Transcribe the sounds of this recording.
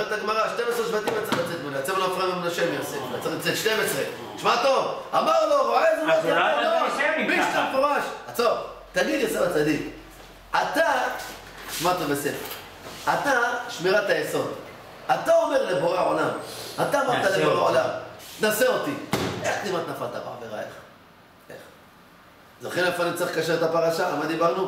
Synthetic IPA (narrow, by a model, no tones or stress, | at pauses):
et̪aɡmaʁaʃt̪emesʁeʃbat̪imjat͡saʁlat͡set̪̚moleat͡sevlofʁamamunaʃemjoseat͡saʁt͡set̪ʃtemesʁe | ʃmat̪ovamaʁloezuloobiʃt̪amefoʁaʃat͡sov | t̪almid̪joseʁat͡sad̪ik | ʔat̪a | ʃmat̪ovbesefḛʁ | at̪aʃmeʁat̪ajeso̞d̪ | at̪ao̞meʁleboʁeaolamat̪aːmaʁt̪aleboʁeʕolamt̪naseo̞t̪ie̞χnimat̪nafalt̪abeħaveʁa̰ḛχ | ḛχ | zoχilafanimt͡saiχkaʃeet̪apaʁaʃaamad̪ibaʁnu